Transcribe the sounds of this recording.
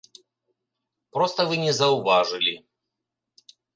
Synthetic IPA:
pɾɔst̪ɐvɨnʲɛzɐʊvaʐɨlʲi

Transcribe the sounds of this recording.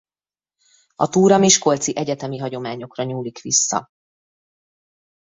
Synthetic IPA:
ɒt̪uːɾɒmiʃko̞lt̪siʔɛɟɛt̪ɛmiɦɒɟo̞maːɲo̞krɒɲuːlikʋisːɒ̰

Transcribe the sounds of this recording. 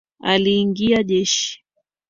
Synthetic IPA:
aliːŋɡiaʄɛʃi̥

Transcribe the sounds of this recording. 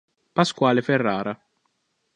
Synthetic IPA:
paskwaːleferːaːɾa

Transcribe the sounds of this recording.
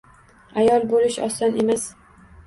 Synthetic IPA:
ajɒlˠbolɪʃɒ̰st̪ɒne̞mas

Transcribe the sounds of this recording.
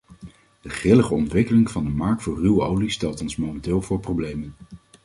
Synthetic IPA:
d̥əχɪləχəɔntʋɪkəlɪŋvɑndəmɑɹk̚tfʊːrywəowlistɛlˠtɔnsmomɛntɪːlˠvʊːɹprowblejmən

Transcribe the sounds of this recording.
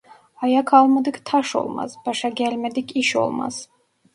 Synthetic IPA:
ɑjakʰɑlˠmad̪ɯkt̪ʰɑʃo̞̰lˠmɑ̰z̥b̥ɑʃɑɡʲælʲmɛd̪ikʲiʃo̞̰lˠmɑ̰z̥

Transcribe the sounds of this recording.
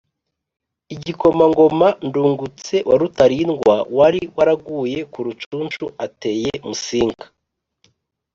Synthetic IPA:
iɟiko̞maŋɡo̞manduːŋɡut͡se̞wʔaɾutaɾiːnɡwawaɾiwaɾaɡuːje̞kuɾut͡ʃuːnt͡ʃuate̞ːjemusiːŋkḁ

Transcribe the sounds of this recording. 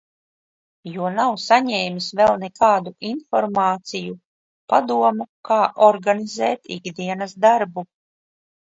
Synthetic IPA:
juɔnawsaɲɛːmisvɛlˠnɛkaːd̪uʔinfɔɾmɑːt̪siju | pad̪uɔmukaːʔɔɾɡanizɛːt̪ḭɡd̪iɛnɐsd̪aɾbu

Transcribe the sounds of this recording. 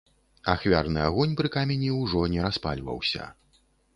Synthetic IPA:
axvʲarnɨaɣɔnʲpɾɨkamʲɛnʲiwʐɔnʲɛɾaspa̰lʲvɐ̰wsʲɐ̰

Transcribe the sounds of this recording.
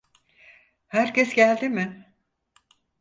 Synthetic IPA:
hæɾcɛsɟælʲd̪ɪmɪ

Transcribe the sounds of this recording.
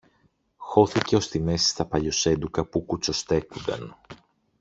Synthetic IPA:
xo̞θice̞o̞st̪ime̞si̥st̪ɐpɐʎo̞se̞nd̪ukɐpukut͡so̞st̪e̞kund̪ɐ̰n

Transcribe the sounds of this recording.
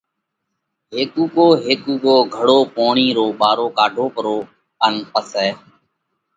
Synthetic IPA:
ɦeːkuːkoːɦeːkuːkoːɡʱəɽoːpoːɳiːɾoːɓaːɾoːkaːɖʱoːpəɾoː | ənpəsɛː

